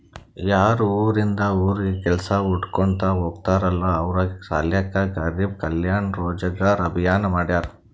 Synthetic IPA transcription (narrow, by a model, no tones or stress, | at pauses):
jaːɾuuːɾind̪ɐuːɾiːkɛlsɐuʈkoɳt̪ɐɦoːɡ̚t̪aːɾɐlːɐːʋɾɐɡsaːljakːɐɡɐɾiːb̚kɐljaːɳɾoːd͡ʒɐɡaːɾɐbʱijaːnɐmaːɽjaːɾu